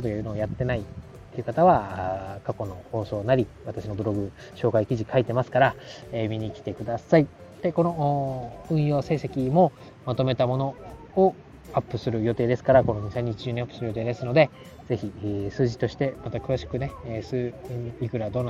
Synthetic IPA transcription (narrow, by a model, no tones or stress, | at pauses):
ot̪oɯnoːjat̪ːe̞nait̪ːe̞jiɯ̟kat̪aβ̞akako̞no̞ho̞ːso̞ːnaɾʲiβat̪aɕino̞bɯ̟ɾo̞ɡɯ̟ | ɕo̞ːkaikʲiʑikʰait̪e̞masɨ̥kaɾaeːmʲiɲ̟ikʲi̥t̪e̞kɯ̟d̪asai | d̪̥e̞ko̞no̞ːɯ̟̃ɰ̃jo̞ːse̞ːse̞kʲimo̞ | mat̪o̞me̞t̪amo̞no̞ː | apːɯ̟sɨɾɯ̟jo̞t̪e̞ːd̪esɨ̥kaɾako̞no̞ɲ̟isãɲ̟ːit͡ɕiʑoːɲ̟iapːɯ̟̥sɨɾɯjo̞t̪e̞ːd̪e̞sɨno̞d̪e̞ | ze̞çisɨːʑi̥t̪o̞ɕi̥t̪e̞mat̪akɯ̟βaɕi̥kɯ̟ne̞sɨːikɯ̟ɾad̪o̞ːn